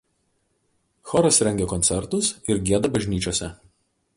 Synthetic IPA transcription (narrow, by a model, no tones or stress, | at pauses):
xɔɾɐsɾʲɛŋʲɡʲekɔnʲt̪sʲɛɾt̪ʊsɪɾɡʲiɛd̪ɐbɐʒʲnʲiːt͡ʃʲoːsʲɛ